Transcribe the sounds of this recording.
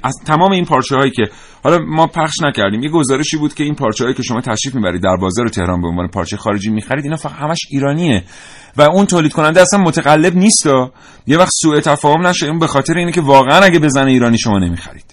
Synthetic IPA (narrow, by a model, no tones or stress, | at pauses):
ʔæt̪ʰæmɒːme̞iːnpʰɒːɾt͡ʃʰehɒːjiːcʰʲe | hɒlɒmɒːpʰæχʃnæcʰæɾd̪iːmje̞ɡo̞zɒːɾe̞ʃiːbuːd̪̥kʲcʰe̞iːnpʰɒːɾt͡ʃʰɛhɒːjicʰʲe̞ʃo̞mɒːt̪ʰæʃɾiːfmibæɾiːd̪̚ːæɾbɒːzɒːɾet̪ʰe̞hɾɒːnbeonɒ̰ːnepʰɒ̰ːɾt͡ʃʰejexɒːɾe̞d͡ʒiːmiːxæɾid̪iːnhɒːfææ̥hæmæʃiːɾɒːnie | væunt̪ʰoːlid̪̥̚kʰo̞nænd̪eæsænmot̪ʰæɣælːe̞bniːst̪ɒː | jevæxt̪suːe̞t̪ʰæfɒːho̞mnæʃounbe̞xɒːt̪ʰeɾeiːnecʰevɒːɣeænæɟebe̞zæneiːɾɒːniːʃo̞mɒːne̞miːxæ̰ɾḭːd̪̥